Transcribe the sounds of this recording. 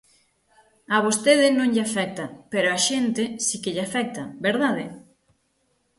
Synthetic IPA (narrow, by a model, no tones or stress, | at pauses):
aβost̪eðɪnõŋʎeafɛk̚t̪ɐpeɾoaʃent̪ɪsikeʎafɛk̚t̪ɐbeɾðaðe